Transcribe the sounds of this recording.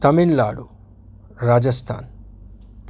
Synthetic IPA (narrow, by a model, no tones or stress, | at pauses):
t̪ɐminla̰ːɽu | ɾaːd͡ʒɐst̪ʰa̰ːn | p